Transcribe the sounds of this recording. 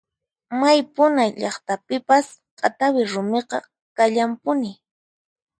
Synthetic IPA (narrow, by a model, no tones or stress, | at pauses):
majpʊnajʎɑχt̪apɪpas | qʼa̰t̪awɪɾʊmeqɑ̰ | kaʎampʊnɪ